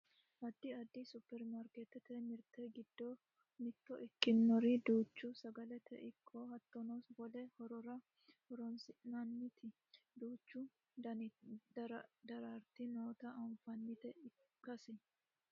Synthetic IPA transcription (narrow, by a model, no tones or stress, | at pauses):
ʔɐd̪ːɪɐd̪ːɪsʊpːɛɾmɐɾket̪ɛt̪ɛmɪɾt̪ɛɡɪd̪ːo | mɪt̪ːɔʔɪkːɪnːɔɾɪd̪uːt͡ʃːʊsɐɡɐlɛt̪ɛ̰ʔɪkʰːoːhɐt̪ːɔnɔsbɔlɛhɔɾɔɾɐ | hɔɾɔnsɪnɐnːɪt̪ʰɪ | d̪uːt͡ʃːʊ | d̪ɐd̪ɐɾaɾt̪ɪnoːt̪ɐʔɐnfɐnːɪt̪ɛɪ | kːɐsɪ